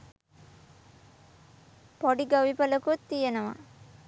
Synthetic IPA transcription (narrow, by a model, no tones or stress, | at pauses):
poɽiɡɐʋipɐlɐkut̪ijɐnɐʋɐ̰